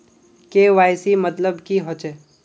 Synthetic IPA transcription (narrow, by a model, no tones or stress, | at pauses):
keːʋaːjsimət̪ləbkiɦot͡ʃe